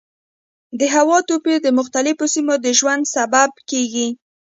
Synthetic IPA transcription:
d̪əɦawɑt̪oped̪əmʊxt̪alɪfosimod̪əʒwand̪sabab̚keɡi

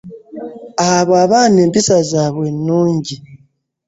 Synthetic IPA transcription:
aβoaβaːne̞ːmpisazaːβwenːuːɲɟi

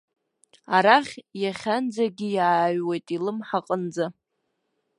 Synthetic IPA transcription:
aɾaχʲjaχʲand͡zaɡʲɪjaːɥwejtʼilɨmħaqʼənd͡za

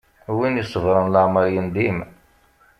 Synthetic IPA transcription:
winjisˤːəvɾˤənləʕməɾjənd̪im

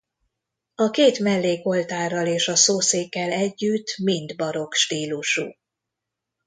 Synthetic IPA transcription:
ɒkeːt̪mɛlːeːko̞lt̪aːrːɒleːʃɒsoːseːkːɛlɛɟːyt̪ːmind̪bɒɾo̞kʃt̪iːluʃṵ

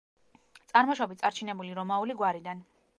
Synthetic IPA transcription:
t̪sʼaɾmɔʃɔbit̪sʼaɾt͡ʃʰinɛbuliɾɔmauliɡwaɾid̪an

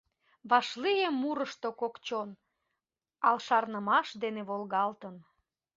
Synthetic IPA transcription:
βɑʃlijemːuɾəʃt̪okokt͡ɕon | ɑlʃɑrnəmɑʃd̪eneβolɣɑlt̪ən

